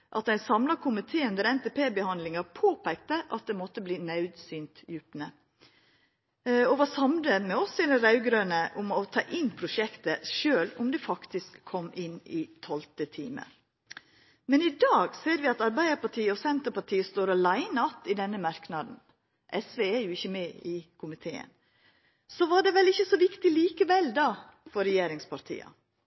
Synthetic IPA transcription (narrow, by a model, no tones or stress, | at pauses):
ʔɑt̪æɪnsɑmlɑkʰʊmɪt̪ʰeːʉnd̪əɾɛnt̪eːpeːbəhɑnd̪lɪŋɑpʰoːpʰæɪk̚t̪əʔɑt̪̚d̪ɛmɔt̪ːəbliːnɑʉd̪syːnt̪jʉpnə | ɔʋɑːsɑmləmɛɔsɛd̪ɛɾɑʉɡɾøːnəʔʊmɔt̪ʰɑ̰ːʔɪnːpʰɾʊʃɛkt̪əʃøːlʊmd̪ɛfɑkt̪ɪskʰːɔmːɪnɪt̪ʰɔlt̪ət̪ʰḭːmə̰ | mɛnɪd̪ɑːɡseːɾʋɪɑt̪ɑɾbæɪd̪əɾpɑʈʰiːəɔsɛnt̪əɾpɑʈʰiːəst̪oːɾɑlæɪnɑt̪ɪd̪ɛnːəmɑɾknɑd̪n̩ | ʔɛsʋeːæɾjʊɪçːəmeːɪkʰʊmɪt̪ʰḛːə̰n | sɔʋɑɖɛʋɛlɪçːəsɔʋɪkt̪ɪliːkəʋɛlːd̪ɑ | fɔɾɛjeːɾɪŋspʰɑɾʈʰḭːɑ̰